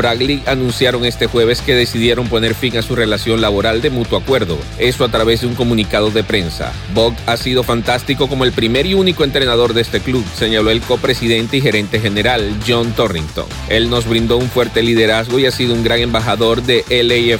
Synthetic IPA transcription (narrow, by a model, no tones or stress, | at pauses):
bɾaɣlianũnsjaɾo̞ŋe̞st̪e̞xwe̞β̞e̞ske̞ðe̞siðje̞ɾo̞mpo̞ne̞ɾfiŋasure̞lasjo̞nlaβ̞o̞ɾald̪e̞mut̪wakwe̞ɾðo̞̰ | e̞soat̪ɾaβe̞zðeuŋko̞mũnikaðo̞ðe̞pɾe̞nsa̰ | bo̞kasiðo̞fant̪ast̪iko̞ko̞moelpɾime̞ɾiunikoent̪ɾe̞nað̞o̞ɾðe̞st̪e̞kluβse̞ɲalo̞e̞lko̞pɾe̞siðe̞nt̪e̞ixe̞ɾe̞nt̪e̞xe̞ne̞ɾalʝont̪orḭŋt̪o̞̰ŋ | e̞lno̞zβɾind̪o̞uɱfwe̞ɾt̪e̞liðe̞ɾazɣo̞iasiðo̞uŋɡɾaŋe̞mbaxaðo̞ɾðe̞ʔelee